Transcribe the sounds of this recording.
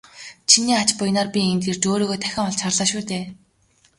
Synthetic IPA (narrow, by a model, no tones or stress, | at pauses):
t͡ɕʰiniːat͡ɕpʊjnaːrpʲient̪ert͡ɕoːɾoːɣoːt̪ʰæxʲɪ̆ŋɔɮt͡ɕʰarɮaːʃuːt̪eː